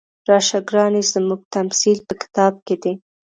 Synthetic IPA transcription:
ɾɑʃaɡɾɑnizəmuɡ̚t̪amsilpəkɪ̥t̪ɑb̚ked̪e

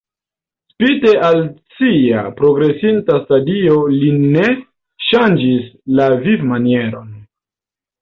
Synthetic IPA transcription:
spite̞ʔalt͡sia̰pɾo̞ɡɾe̞sintastadio̞line̞ | ʃand͡ʒislavivmanie̞ɾo̞n

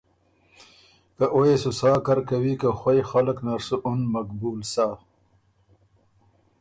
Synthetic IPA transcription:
kaʔoesusaːkaɾkawikaxwajxaləknɐɾsuʔʊnmɐk̚buːlsaː

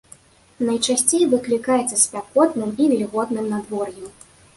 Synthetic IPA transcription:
nɐjt͡ʂasʲt͡sʲejvɨklʲikajɛt̪sːɐsʲpʲakɔt̪nɨmivʲɛlʲiɣɔd̪nɨmnad̪vɔrju

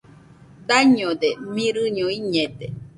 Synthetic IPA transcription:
d̪aɲod̪emĩɾɨɲoiɲẽd̪e

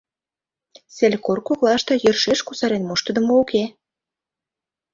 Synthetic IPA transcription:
selʲkorkoklɑʃt̪ɤ̆jø̆rʃeʃkusɑɾenmoʃt̪ə̆d̪ə̆mouke

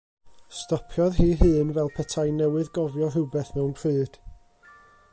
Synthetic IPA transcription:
stɔpʰjɔðɦiːɦɨːnvɛlˠpʰətʰajnɛwɨðɡɔvjɔɦɪwbɛθmɛwnpʰr̥ɨːd̥

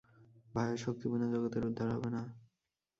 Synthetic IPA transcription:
bʱaeɾʃok̚t̪ibunad͡ʑɔɡot̪eɾud̪ʱːaɾɦɔ̰bena

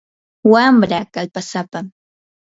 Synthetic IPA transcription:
wamɾakalpasapam

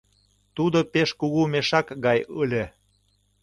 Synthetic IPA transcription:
t̪ud̪opeʃkuɣumeʃɑkɡɑjəlʲe

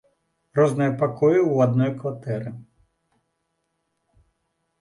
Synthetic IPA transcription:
rɔznɨjɐpakʰɔjiwad̪nɔjkʋat̪ɛɾɨ

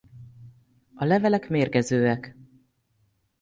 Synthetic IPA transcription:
ɒlɛvɛlɛkmeːrɡɛzøːɛk

